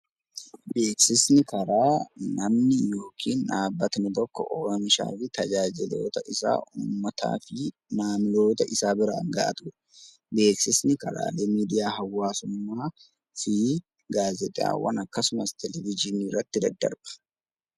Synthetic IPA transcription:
be̞ːksɪsnɪkɐɾaːnɐmnɪjo̞ːkʰiːnʔaːbːɐt̪nɪt̪ɔkːɔ̰ʔɔɾɔmɪʃa̰ːfɪt̪ɐd͡ʒaːd͡ʒɪlo̞̰ːt̪ɐʔɪsa̰ːʔuːmːɐt̪a̰ːfɪ | naːmɪlo̞ːt̪ɐʔɪsaːbɪɾa̰ːŋɡɐʔɐt̪ʊɾ | be̞ːksɪsnɪkɐɾa̰ːle̞ːmiːd̪ɪjaːhɐwːaːsʊmːaː | fɪ | ɡaːzɛt̪ʼɪja̰ːwɐ̰nɐkːɐsʊmɐst̪ʰɛlɛvɪd͡ʒɪniːrːɐt̪ːɪd̪ɐd̪ːɐ̰ɾb̥ɐ̥

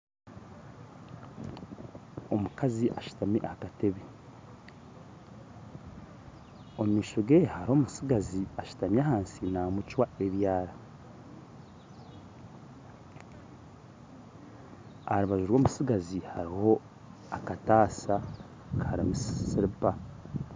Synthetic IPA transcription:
o̞mukaziʔaʃu̥tamḭʔakateβi | ommiːʃoɡehaɾiho̞ːmusiɡaziaʃu̥tamjahaːnsinamut͡ʃwae̞βjaːɾa | aɾuβaʒuɾwo̞ːmusiɡazihaɾiho̞ | akataːsa | kʰaɾamissiɾipa

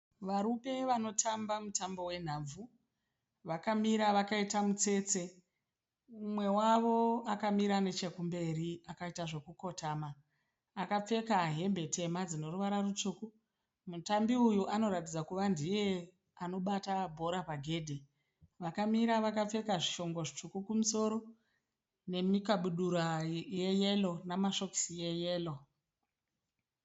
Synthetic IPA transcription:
ʋaɾupe̞ʋano̞tʰambamutambo̞we̞n̤aːb͡vvu | ʋakamiɾaʋakaitamut͡se̞ːt͡se̞ | umwe̞waʋo̞akamiɾane̞t͡ʃe̞kumbe̞ɾiakaitaʐe̞kuko̞tamaː | kap͡fe̞kaɦe̞mbe̞tʰe̞mad͡zino̞ruʋaɾarut͡ʂuku | mutambiujuʔano̞ɾatid͡zakuʋandije̞ | ano̞ɓatabʱo̞ɾapaɡʱe̞ːdʱi | ʋakamiɾaʋakap͡fe̞kaʐiʃo̞ŋɡoʐit͡ʂukukumuso̞ɾo̞ | ne̞mikaɓuɗuɾajeje̞lonamaʃo̞ki̥sije̞jeːlo̞

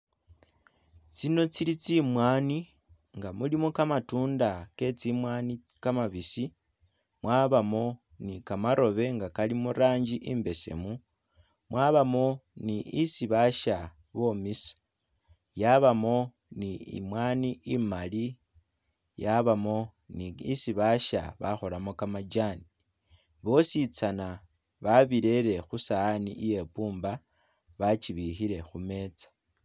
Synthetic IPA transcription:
t͡sino̞t͡silit͡simwaːni | ŋɡamulimokamatuːndake̞t͡simwaːni | kamaβisi | mwaβamo̞ | nikamaɾʔo̞βe̞ŋɡakalimuɾaːɲd͡ʒiʔimbe̞se̞̰mu | mwaːβamo̞niisiβaʃa | βo̞misi̥ | jaβamo̞ | niḭmwaːniimali | jaβamo̞ | niisiβaʃa̰βa̰xo̞lamo̞kamad͡ʒani | βo̞sit͡sana | βaβiɾe̞ɾe̞xusaːniʔije̞puːmba | βat͡ʃiβixiɾe̞xume̞ːt͡sḁ

